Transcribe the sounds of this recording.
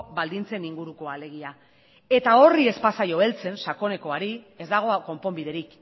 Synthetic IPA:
bald̪int͡se̞niŋɡuɾuko̞ale̞ɣ̞ia | e̞t̪ao̞rie̞spasajo̞e̞lt͡se̞nsako̞ne̞ko̞aɾi | e̞zd̪aɣ̞o̞ako̞mpo̞mbið̞e̞ɾik

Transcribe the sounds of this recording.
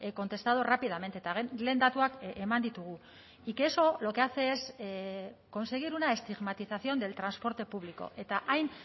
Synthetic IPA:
ko̞nt̪e̞st̪aðorapiðame̞nt̪et̪aɣle̞ːnd̪at̪uakemand̪it̪uɣ̞u | ike̞so̞lo̞ke̞at͡se̞ːs | ko̞nse̞ɣ̞iɾunae̞st̪iɣmat̪iθaθio̞nd̪e̞lt̪ɾanspo̞ɾt̪e̞puβliko̞̰ʔe̞t̪aʔajn

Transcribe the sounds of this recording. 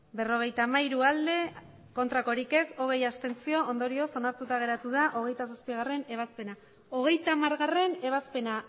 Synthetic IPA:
be̞ro̞ɣ̞e̞jt̪aːmaiɾuald̪e̞ | ko̞nt̪ɾako̞ɾike̞so̞ɣ̞e̞jast̪e̞nt͡sio̞ond̪o̞ɾio̞so̞naɾt̪ut̪aɣ̞e̞ɾat̪uð̞aʔo̞ɣ̞e̞jt̪asaspiɣ̞are̞ne̞β̞aspe̞na | o̞ɣ̞e̞jt̪amaɾɣare̞ne̞β̞aspe̞na

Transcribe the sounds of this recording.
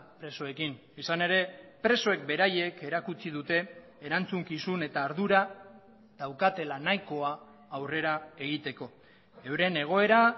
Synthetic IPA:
pɾe̞so̞e̞kin | isane̞ɾe̞pɾe̞so̞e̞k̚be̞ɾaje̞ke̞ɾakut͡sið̞ut̪e̞ː | ɾant͡suŋkisune̞t̪aːɾðuɾa | ðawkat̪e̞lanajko̞aː | wre̞ɾae̞ɣ̞it̪e̞ko̞ | e̞wɾe̞ne̞ɣ̞o̞e̞ɾa

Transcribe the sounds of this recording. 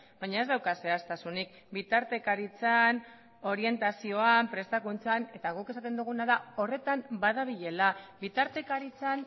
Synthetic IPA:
baɲae̞zðawkase̞ast̪asunik̚ | bit̪aɾt̪e̞kaɾit͡san | o̞ɾie̞nt̪asio̞ampɾe̞st̪akunt͡sane̞t̪aɣuke̞sat̪e̞nd̪uɣ̞unaðao̞re̞t̪ambaðaβ̞iʎe̞labit̪aɾt̪e̞kaɾit͡san

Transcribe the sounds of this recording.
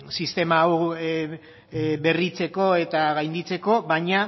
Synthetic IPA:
sist̪e̞maw | be̞rit͡se̞ko̞e̞t̪aɣajnd̪it͡se̞ko̞βaɲa

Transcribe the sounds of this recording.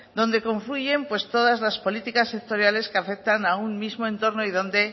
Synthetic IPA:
d̪õ̞nd̪e̞ko̞ɱfluʝe̞mpwe̞st̪o̞ðazlaspo̞lit̪ikasːek̚t̪o̞ɾjale̞skeafe̞k̚t̪anaunmizmoent̪o̞ɾno̞iðo̞nd̪e̞

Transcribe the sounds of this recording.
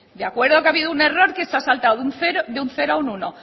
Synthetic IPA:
d̪eakwe̞ɾðokeaβiðoune̞ro̞ɾkesasalt̪awðunθeɾoðeunθe̞ɾoaununo

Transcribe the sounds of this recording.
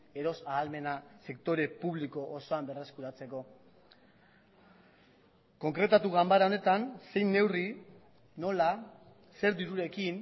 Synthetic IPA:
e̞ɾo̞saːlme̞nase̞kt̪o̞ɾe̞puβ̞liko̞ʔːso̞ambe̞re̞skuɾat͡se̞ko̞ | ko̞ŋkɾe̞t̪at̪uɣambaɾaone̞t̪anse̞jnːe̞wri | no̞la | se̞ɾd̪iɾuɾe̞kin

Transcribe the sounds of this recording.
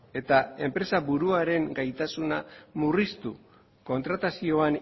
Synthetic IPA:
e̞t̪ae̞mpɾe̞saβuɾuaɾe̞ŋɡajt̪asunamurist̪u | ko̞nt̪ɾat̪asio̞an

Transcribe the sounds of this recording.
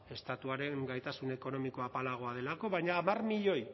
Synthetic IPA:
e̞st̪at̪uaɾe̞ŋɡajt̪asune̞ko̞no̞miko̞apalaɣ̞o̞aðe̞lako̞βajɲaːmarmiʎo̞j

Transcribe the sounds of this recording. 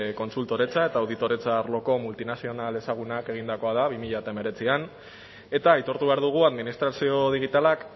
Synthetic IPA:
ko̞nsult̪o̞ɾe̞t͡sae̞t̪aːwðit̪o̞ɾe̞t͡saɾlo̞ko̞mult̪inasio̞nale̞saɣ̞unake̞ɣ̞ind̪ako̞að̞aβimiʎat̪ame̞ɾe̞t͡sian | e̞t̪aːjt̪o̞ɾt̪uβe̞aɾðuɣ̞uaðminist̪ɾasio̞ð̞iɣit̪alak

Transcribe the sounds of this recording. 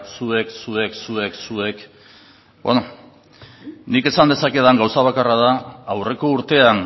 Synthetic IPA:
sue̞ksue̞ksue̞ksue̞k | bo̰no | nike̞sand̪e̞sake̞ðaŋɡawsaβ̞akaraðaːwre̞ko̞uɾt̪e̞an

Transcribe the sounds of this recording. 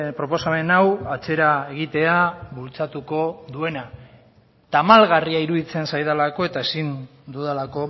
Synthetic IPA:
pɾo̞po̞same̞nawat͡se̞ɾae̞ɣ̞it̪e̞aβult͡sat̪uko̞ðue̞na | t̪amalɣariaiɾuðit͡se̞nsajðalako̞e̞t̪ae̞sind̪uðelako̞

